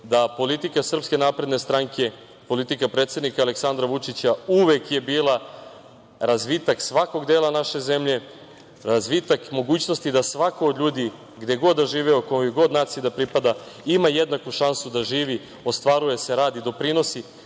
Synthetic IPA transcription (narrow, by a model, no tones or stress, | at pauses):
d̪apo̞lit̪ikasr̩pske̞naːpɾe̞d̪ne̞st̪ɾaŋkʰe̞ | po̞lit̪ikapɾet̪se̞d̪nikaːleksand̪ɾaʋut͡ʂit͡ɕauʋe̞kje̞biːlˠa | ɾazʋit̪aksʋako̞ɡd̪eːlˠanaʃe̞ze̞mʎe̞ | ɾazʋit̪akmo̞ɡuːt͡ɕno̞st̪id̪asʋakood̪ʎuːd̪i | ɡd̪eɡo̞d̪ːaʒiːʋeokojojeɡo̞d̪naːt̪sijid̪apɾipad̪aimajed̪nakuʃansud̪aʒiːʋi | o̞st̪ʋaɾuje̞se̞ɾaːd̪id̪o̞pɾino̞si